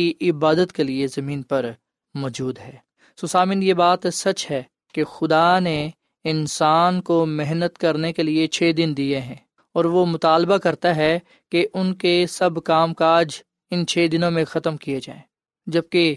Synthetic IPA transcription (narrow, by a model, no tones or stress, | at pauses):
iʔɪbaːd̪ət̪keliezɐmĩːnpɐɾ | mɔːd͡ʒuːd̪ɦɛː | sosaːmɪnjeːbaːt̪sɐt͡ʃɦɛː | kexʊd̪ane | ɪnsaːnkomɪɦnət̪kɐɾnekeliet͡ʃʰeːd̪ɪnd̪ieɦɛ̃ː | ɔːɾʋomʊt̪aːlbakɐɾt̪aɦɛ | keʔʊnkesɐbkaːmkaːd͡ʒ | ɪnt͡ʃʰeːd̪ɪnõmẽxɐt̪mkijed͡ʒa̰ːẽː | d͡ʒɐb̚ke